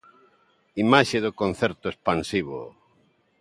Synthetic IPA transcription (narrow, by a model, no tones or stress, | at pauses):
imaʃeðokõnθeɾt̪ʊespansiβo̰